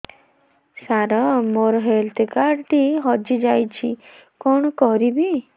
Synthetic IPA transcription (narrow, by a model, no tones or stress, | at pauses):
saɾɔmoɾɔɦelt̪ʰkaɾɖʈiɦɔd͡ʒid͡ʒajt͡ʃʰikɔɳ̃ɔkɔɾibi